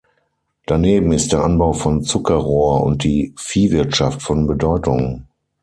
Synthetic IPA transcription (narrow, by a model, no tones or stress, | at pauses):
d̥aneːbm̩ɪst̚d̥eːɐʔanbaʊfɔnt͡sʊkʰɐʁoːɐʔʊ̰nt̚d̥iːfiːvɪɐtʃaftfɔnbədɔʏtʊŋ